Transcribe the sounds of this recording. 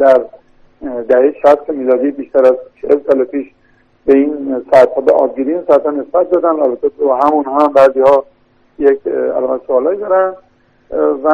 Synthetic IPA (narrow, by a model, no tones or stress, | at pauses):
d̪æɾ | d̪æhejʃæst̪emiːlɒːd̪ibiːʃt̪ʰæɾæzt͡ʃʰehelsɒːlepʰiːʃ | beinsɔt̪hɒːbeʔɒ̰ːb̚ɡiɾiinsɒæt̪hɒne̞sbæt̪̚d̪ɒːd̪ænælbæt̪ʰːebɦæmunhɒmbæːziːhɒː | jekæ̰lɒːmæt̪soɒːlɒːjd̪ɒːɾæn | væ